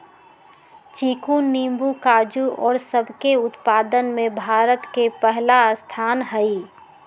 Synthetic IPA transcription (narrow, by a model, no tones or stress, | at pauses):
t͡ʃiːkuːnːiːmbukaːd͡ʒuʔɔːɾsəbʱkeʊt̪paːd̪ənmẽbʱaːɾət̪kepɛɦlast̪ʰaːnɦəi